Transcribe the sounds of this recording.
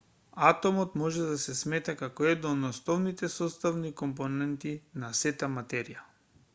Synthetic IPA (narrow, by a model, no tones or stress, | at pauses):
at̪ɔmɔt̪mɔʒɛd̪asɛsmɛt̪akakɔɛd̪nɔnɔsnɔvnit̪ɛsɔst̪avnikɔmponɛnt̪inasɛt̪amat̪ɛɾija